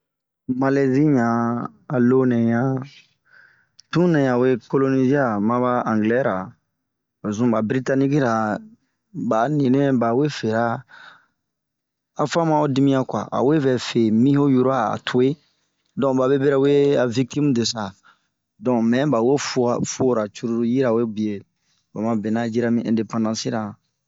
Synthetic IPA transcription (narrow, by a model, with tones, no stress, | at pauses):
ma˦˨le˨zi˦ɲãː˨lo˦nɛ̃˨jã˦ | tũ˦nɛ̃˨ja˨we˦ko˦lo˦ni˦zi˦a˦˨mã˦ba˦ã˨ŋɡlɛ˦ɾa˨ | o˨zũ˦ba˨bɾi˦ta˦ni˦ki˦ɾa˨ | ba˨nĩ˨nẽ˦ba˨we˦fe˨ɾa˦ | a˨fã˦mã˦o˦di˦mĩ˦ja˦kwa̰˨ʔa̰˨we˦bɛ˨fe˨mĩ˦ɦo˦ju˦ɾo˦a˨a̰˨tʰo˨e˦ | dɔ̃˨ba˨bɛ˦be˦ɾa˦u˦e˦a˨vi˦k̚ti˦mu˦de˨sa˨ | dɔ̃˨mɛ̃˨˦ba˨we˦fu˨a˨fo˦ɾa˨t͡ʃu˦ɾu˦ɾu˦ji˦ɾa˨we˦bi˨e˨ | ba˨mã˨bɛ˨na˦d͡ʒi˦ɾa˦mĩ˦ɛ̰̃˨de˨pã˦ndã˦si˦ɾa˨